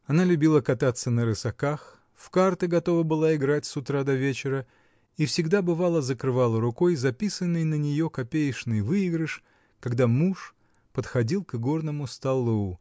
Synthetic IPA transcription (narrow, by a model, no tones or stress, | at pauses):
ɐnalʲʉbʲilˠəkɐt̪at̪sːənəɾɨsɐkax | fkart̪ɨɡɐt̪o̞vəbɨlˠaɪɡɾatʲsʊt̪ɾad̪ɐvʲet͡ɕɪɾə | ifsʲɪɡd̪abɨvalˠəzəkɾɨvalˠəɾʊko̞jzɐpʲisənːɨjnənʲɪjo̞kɐpʲejɪʂnɨjvɨɪɡɾɨʂ | kɐɡd̪amuʂ | pət̪xɐdʲilˠkɡo̞rnəmʊst̪ɐlˠu